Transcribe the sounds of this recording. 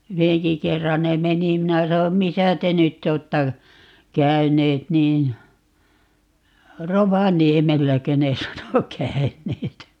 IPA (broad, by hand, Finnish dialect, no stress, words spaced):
yheŋki kerːɑn ne meni minæ sɑnom misæ te nytː oːtːɑ kæyneːt niːn roʋɑniemelːækø ne sɑno kæyneːt